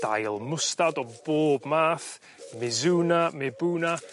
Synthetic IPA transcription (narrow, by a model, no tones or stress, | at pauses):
d̥a̰jlˠmʊstadɔboːbmaːθ | mɪzuːnamɪbuːna